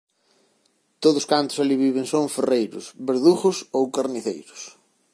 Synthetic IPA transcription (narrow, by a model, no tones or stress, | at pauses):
t̪oðʊskant̪ʊ̥saliβiβ̞ɪŋsõŋferejɾʊ̰sβeɾðuχʊsowkaɾniθejɾʊ̥s